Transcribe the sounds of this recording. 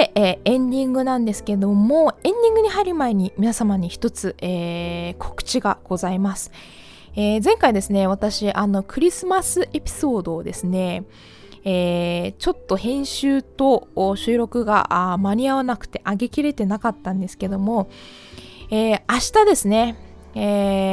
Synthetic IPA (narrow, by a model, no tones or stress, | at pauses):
eːẽ̞ɲd̪ʲĩŋɡɯ̟nãnd̪e̞sɨ̥ke̞d̪o̞moẽ̞ɲ̟d̪ʲĩŋɡɯ̟ɲ̟ihaɾʲimaeɲ̟imʲinasamaɲ̟içi̥t̪o̞t͡sɨʔeːkʰo̞̥kɯ̟̥t͡ɕiɡaɡ̥o̞zaimasɨ̥ | eːzẽ̞ŋkaid̪e̞sɨne̞β̞at̪aɕiʔano̞kɯ̟ɾʲisɨmasɨʔe̞pʲi̥so̞ːd̪o̞ːd̪e̞sɨne̞ | t͡ɕo̞t̪ːo̞hẽ̞ɰ̃ɕɨːt̪o̞ːɕɨːɾo̞kɯ̟ɡa̰ʔmaɲʲiaβanakɯ̟̥t̪e̞ʔaɡe̞kʲiɾe̞t̪e̞nakat̪ːãnd̪e̞sɨ̥ke̞d̪o̞mo̞ | eːaɕi̥t̪ad̪e̞sɨne̞